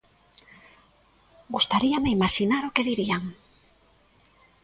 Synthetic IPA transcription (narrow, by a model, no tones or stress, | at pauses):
ɡust̪aɾiameimaʃinaɾʊkeðiɾiaŋ